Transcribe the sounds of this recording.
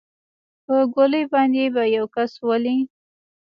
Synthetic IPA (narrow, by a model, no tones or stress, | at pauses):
pəɡoləjbɑnd̪ebajawkaswəli